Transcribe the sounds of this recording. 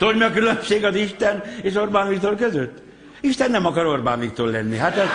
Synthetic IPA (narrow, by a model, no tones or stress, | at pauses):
t̪olmɒkylømʃeːɡɒziʃt̪ɛneːʃorbaːnvikt̪oːlkøzøt̪ː | iʃt̪ɛnːɛmɒkɒɾo̞rba̰ːnvik̚t̪oːlɛnːḭɦat̪ɛz